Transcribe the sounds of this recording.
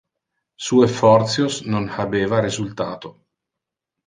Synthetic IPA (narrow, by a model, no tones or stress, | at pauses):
suːefɔrt̪sjosnonaveːvaɾizult̪aːt̪o